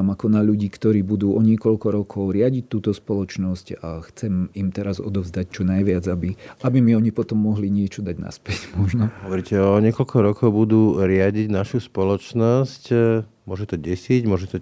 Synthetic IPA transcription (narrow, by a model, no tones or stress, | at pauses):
makɔnaʎuɟiːkt̪ɔɾiːbud̪uːʔɔɲɪɛkɔʎkɔɾɔkʰɔʊɾɪaɟic̚t̪uːt̪ɔspɔlɔt͡ʃnɔscaxt͡sɛmimt̪ɛɾazɔ̰d̪ɔvzd̪ac̚t͡ʃɔnajʋɪad͡zabiabimiɔɲipɔt̪ɔmːɔɦliɲɪɛt͡ʃɔd̪aɟna̰spɛɟmɔʒnɔɔʋɔɾicɛɔɲɪɛkɔʎkʰɔɾɔkɔʊbud̪uːɾɪaɟiɟnaʃuspɔlɔt͡ʃnɔsc | mʊɔʒɛt̪ɔɟɛsiɟmʊɔʒɛt̪ɔ